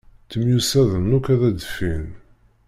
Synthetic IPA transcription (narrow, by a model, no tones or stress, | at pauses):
t̪ːəmjusæðənːukæðæd̪əfːin